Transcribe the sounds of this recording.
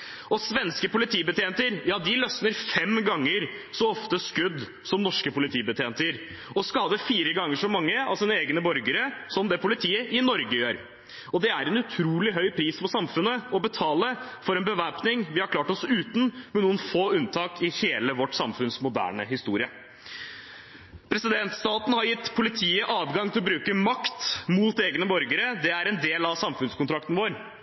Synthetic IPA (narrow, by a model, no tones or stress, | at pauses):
ɔsʋɛnskəpʊlɪt̪ʰiːbət̪ʰeːnt̪əɾjɑːd̪ɪlœsnəɾfɛmɡɑŋːəɾ | sɔɔft̪əskʉd̪ː | sɔmnɔʂkəpʊlɪt̪ʰiːbət̪ʰeːnt̪əɾ | ɔskɑːd̪əfiːɾəɡɑŋːəʂɔmɑŋːəɑ̰ʋsiːnəeːɡnəbɔɾɡəɾəsɔmd̪ɛpʰʊlɪt̪ʰiːəʔɪnɔɾɡəjøːɾ | ɔd̪ɛæɾɛnʉt̪ʰɾuːlɪɦœʏpʰɾiːspɔsɑmfʉnːəɔbət̪ʰɑːləfɔɾɛnbəʋæpnɪŋʋɪhɑɾkʰlɑːʈɔsʉːt̪n̩mɛnuːənfoːʉnt̪ʰɑːkɪheːləʋɔʈːsɑmfʉnsmʊd̪æ̰ːɳə̰ɦɪst̪uːɾɪə | pʰɾɛsɪd̪ɛnt̪st̪ɑːt̪n̩hɑɾjɪt̪ːpʰʊlɪt̪ʰiːəʔɑːʋɡɑŋt̪ʰɪlɔbɾʉːkəmɑkt̪muːt̪eːɡənəbɔɾɡəɾəd̪ɛæɾɛnd̪eːlɑʋsɑmfʉnskʊnt̪ʰɾɑk̚t̪n̩ʋoːɾ